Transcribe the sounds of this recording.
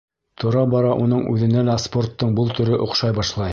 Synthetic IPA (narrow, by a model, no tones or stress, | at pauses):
t̪ʰŏɾɑbɑɾɑʔṵnɤɴʉ̰ðɘ̆nælæspo̞rt̪ːɤɴbulˠt̪ɵ̆ɾɘʔŏqʃɑjbɑʃlˠɑj